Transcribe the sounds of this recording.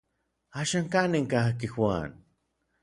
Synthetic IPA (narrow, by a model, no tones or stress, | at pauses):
aːʃaŋkaneŋkakixwa̰ːn